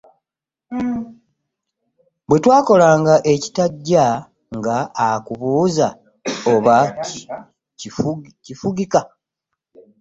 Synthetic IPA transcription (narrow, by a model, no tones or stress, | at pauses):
bwe̞twaːko̞laːŋɡaʔe̞ci̥taɟːa | ŋɡaːkuβuːza | oβa | cifuɡika